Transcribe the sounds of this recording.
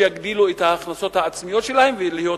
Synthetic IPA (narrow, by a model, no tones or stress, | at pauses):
jaɡd̪iluet̪haːχnaso̞t̪haːt͡smijo̞t̪ʃe̞lahe̞mvelihjo̞